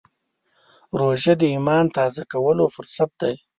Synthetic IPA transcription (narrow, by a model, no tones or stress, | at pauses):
ɾoʒad̪əimɑnt̪ɑzakawəlofʊɾsat̪̚d̪aj